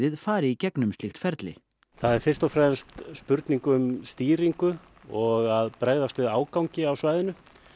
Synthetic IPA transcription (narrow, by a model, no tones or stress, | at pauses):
ðɪðfaːɾɪicɛknʏmst̪ɪxt̪fɛɾt̪lɪ̰ | θaðɛɾ̥fɪrst̪ɔfɾɛðnst̪spʏɾt̪niŋkʏʏmst̪iːɾiŋkʏ | ɔɣaðpɾaɣðast̪vɪðaːwkawɲcɪawsvaːjðɪnʏ